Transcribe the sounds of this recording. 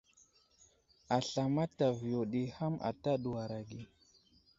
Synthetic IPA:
a˨ɬa˨ma˦ta˨vi˨jo˨ɗi˨ha˦mʔa̰˨ta˦ɗu˨wa˨ɾa˨ɡi˨

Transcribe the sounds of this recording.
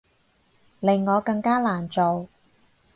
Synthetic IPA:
lɪ˨˩ŋːɔː˨˧kɐ˧ŋkaː˥laː˨˩nt͡so˨w

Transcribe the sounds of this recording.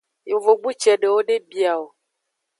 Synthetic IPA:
jo˨vo˨ɡ͡bu˦t͡ʃɛ˨ɖe˨wo˦ɖe˦bi˨a˨wo˨

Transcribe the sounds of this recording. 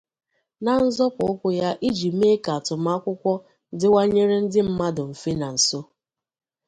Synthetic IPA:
na˨n̩˦zɔ˦pʊ˨ʊ˦kʷʊ˦ja˦ʔi˦d͡ʒi˨m˦e˦ka˨tʊ˨m̩˦a˦kʷʊ˦kʷɔ˦ | dɪ˦wa˦ɲe˦ɾe˦n̩˦dɪ˦m̩˦ma˦dʊ˨m̩˨fe˦na˨n̩˨so˦

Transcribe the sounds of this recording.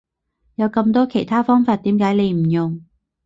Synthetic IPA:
jɐ˨˧wkɐ˧mt̪ɔː˥kʰe˨˩jt̪ʰaː˥fɔː˥ŋfaː˧t̚t̪iː˨˥mkaː˨˥jle˨˧jm̩˨˩jʊ˨ŋ

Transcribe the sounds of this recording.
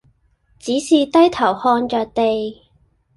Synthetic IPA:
t͡siː˨˥siː˨t̪ɐ˥jt̪ʰɐ˨˩whɔː˧nt͡ʃœː˨k̚t̪e˨j

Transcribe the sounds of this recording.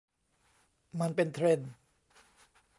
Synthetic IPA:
ma˧npe˧nt̪ʰɾe˧˩n

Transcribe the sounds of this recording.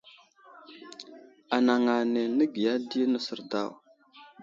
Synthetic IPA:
a˨na˨ŋa˨ne˨nə˦ɡi˨ja˦di˦nə˦sə˨ɾda˦˨w

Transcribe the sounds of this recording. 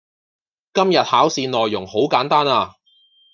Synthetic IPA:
kɐ˥mjɐ˨t̚haː˨˥wsiː˧nlɔː˨jːʊ˨˩ŋho˨˥wkaː˨˥nt̪aː˥naː˧

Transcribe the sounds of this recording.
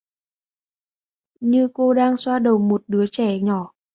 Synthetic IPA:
ɲɨ˧ko˧ɗaː˧ŋswaː˧ɗə˨˩wmo˨˩t̚ɗɨ˨˦ət͡ɕɛ˧˩ɲɔ˧˩

